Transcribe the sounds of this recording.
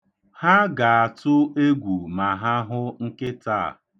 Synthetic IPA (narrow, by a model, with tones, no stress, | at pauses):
ha˦ɡa˨a˨tʊ˦e˦ɡʷu˨ma˨ɦa˦ɦʊ˦ŋ̩˦kɪ˦ta̰˦˨